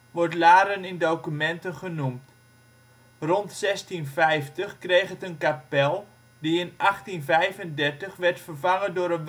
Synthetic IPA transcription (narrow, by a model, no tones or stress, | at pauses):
ʋɔrtlaːɾənɪndowkymɛntənχənumt | rɔntsɛstinfɛjftəχkrejχɦətənkapɛlˠ | diɪnaχtinvɛjvəndɛrtəχʋɛrtfərvaŋəndʊːɾənʋ